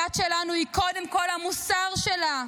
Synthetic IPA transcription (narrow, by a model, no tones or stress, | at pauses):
atʃelanuiko̞demko̞lhamusaʁʃela